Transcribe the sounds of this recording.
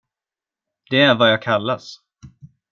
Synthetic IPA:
d̪̥ɛæɾvajɑːɡ̚kʰalːas

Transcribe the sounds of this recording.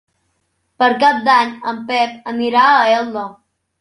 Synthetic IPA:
pəɾkap̚d̪aɲəmpɛp̚əniɾaəɛlˠːə

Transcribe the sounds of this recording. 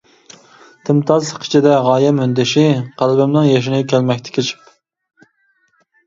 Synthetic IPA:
t̪ʰɪmt̪ʰɑzsəqʰi̥t͡ʃʰid̪ɛʁɑːjɛmønd̪ɪʃɪqʰælbɪmnɪŋjɑʃinɨkʲʰælmɛkʲt̪ʰɪ̥kʲʰet͡ʃʰɪ̥p

